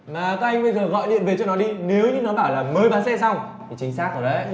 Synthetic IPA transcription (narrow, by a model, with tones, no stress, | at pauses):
maː˨˩kaː˦˥k̚ʔa˧jŋ̟ɓə˧jzəː˨˩ɣɔ̰˧˨jɗḭ˧˨nve˨˩t͡ɕɔ˧wnɔ˨˦ɗi˧ne˨˦wɲɨ˧nɔ˨˦ɓaː˧˩wlaː˨˩məː˨˦jɓaː˨˦nsɛ˧sa˧wŋ͡m | t̪ʰi˨˩t͡ɕï˨˦ŋ̟saː˦˥k̚zɔ˨˩ɗə̰˨˦